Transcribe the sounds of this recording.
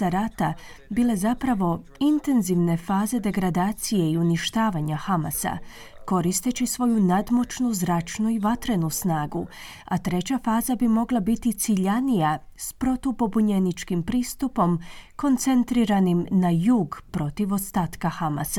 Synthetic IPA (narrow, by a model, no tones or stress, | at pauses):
aɾat̪abile̞zapɾaʋo̞ | int̪e̞nziʋne̞faːze̞d̪e̞ɡɾad̪aːt̪sije̞iuniʃt̪aːʋaɲaxamasa̰ | ko̞ɾist̪e̞t͡ɕisʋo̞junad̪mo̞t͡ʃnuzɾat͡ʃnuiʋat̪ɾe̞nusnaːɡu | at̪ɾe̞t͡ɕafaːzabimo̞ɡlˠabit̪it̪siʎanijaspɾo̞t̪opo̞buɲe̞nit͡ʃkimpɾiːst̪upo̞mko̞nt̪se̞nt̪ɾiɾanimnajuːɡpɾo̞t̪iʋo̞st̪aːt̪kaxama̰sa